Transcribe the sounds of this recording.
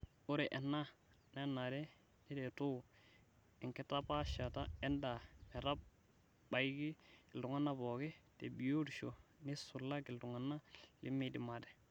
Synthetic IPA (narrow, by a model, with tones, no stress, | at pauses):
u˦ɾe˨ʔe˨nːa˦ | ne˦na˨ɾe˦ | ni˦de˨tu˦˨ | i˨ŋke˦ta˦pa˦ʃa˨ta̰˦e˦nda˨me˨ɾa˦b̚ | ba˨jɡi˦˨ltu˨ŋa˦nːa˦bo˨ɡe˦te˨bi˨jo˦di˨ʃo˨ni˦su˨lːa˦ɡi˨ltu˨ŋa˨nːa˦lḭ˦mi˦di˨ma˨de˨